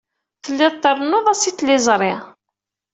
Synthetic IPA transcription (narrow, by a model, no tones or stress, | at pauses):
θəlːɪðˤt̪ːərˤnʊðˤæsiθlɪzˤɾˤɪ